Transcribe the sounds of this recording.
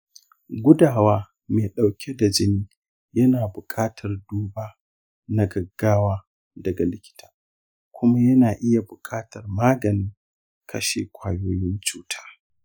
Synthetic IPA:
ɡʷʊ˦daː˨waː˦ | meː˨ɗa˨wkʲʰe˦da˨d͡ʒɪ˦niː˦ | jɐ˦naː˨bʊ˨kʰʼaː˦tʰɐ˨rduː˦baː˦ | na˦ɡɐ˨ɡːaː˦waː˦ | dɐ˨ɡa˨lɪ˦kʲɪ̥˦tʰḁː˦ | kʷʊ˦ma˦jɐ˦naː˨ʔɪ˦ja˨bʊ˨kʰʼaː˦tɐ˨rmaː˦ɡɐ˨nɪ˦ŋ | kʰɐ̰˦ʃḛː˨kʷaː˨joː˦jɪ˦nt͡ʃuː˦tʰḁː˦

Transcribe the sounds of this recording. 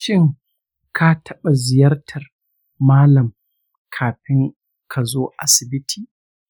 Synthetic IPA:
ʃɪ˦ŋ | kʰa˦tʰɐ˦ɓa˨zɪ˨jɐ˦rtʰɐ˨r | maː˦lɐ˨m | kʰaː˨ɸɪ˦ŋ | kʰa˨zoː˦ʔa̰˨sɪ˨bɪ˦tʰiː˨

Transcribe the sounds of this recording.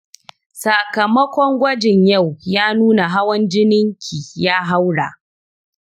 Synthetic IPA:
sa˨kɐ˨mɐ˦kʷɔ˦ŋɡʷɐ˦d͡ʒɪ˨ɲja˦˨wjaː˦nuː˦na˨ɦa˦wɐ˦nd͡ʒɪ˦nɪ˦ŋkʲʰiː˨jaː˦ɦa˦wɽa̰˨ʔ

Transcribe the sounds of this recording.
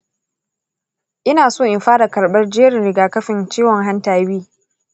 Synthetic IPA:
ʔɪ˦naː˨soː˦˨ʔɪ˨ɸaː˦da˨kɐ˨ɽɓɐ˦rd͡ʒeː˦ɽɪ˨nɾɪ˨ɡaː˨kɐ˦ɸɪ˨nt͡ʃiː˦wɔ˨ŋɦa˦ntaː˨biː˦

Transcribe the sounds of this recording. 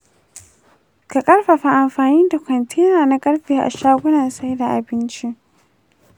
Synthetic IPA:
ka˨kʼɐ˦ɽɸa˨ɸa˨ʔa˨mɸaː˨niː˦da˨kʷɐ˨ntʰiː˦naː˨na˦kʼɐ˦ɽɸiː˨ʔa̰˨ʃaː˦ɡʷʊ˦na˨sa˦jda˨ʔa˨bɪ˦nt͡ʃi˦ʔ

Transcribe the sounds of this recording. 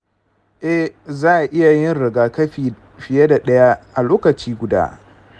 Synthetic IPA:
ʔɛ˦hzaː˦ʔa˨ʔɪ˦ja˨jɪ˦nɾɪ˨ɡaː˨kɐ˦ɸiː˨ | ɸɪ˨je˦da˨ɗɐ˦ja˦ʔa˨loː˦kɐ˨t͡ʃiː˦ɡʷʊ˨da̰ː˦

